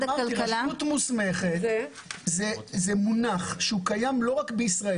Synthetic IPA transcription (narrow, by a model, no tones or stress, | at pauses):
aiut̪musmeχet | zezemunaχʃeukajamlo̞ʁakbeisʁae